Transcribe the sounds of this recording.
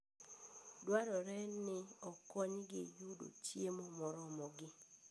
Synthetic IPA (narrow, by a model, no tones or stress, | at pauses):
dwaɾɔɾɛnɪɔkɔɲɡɪ̰judo̰t͡ʃjemɔmɔɾɔmɔɡɪ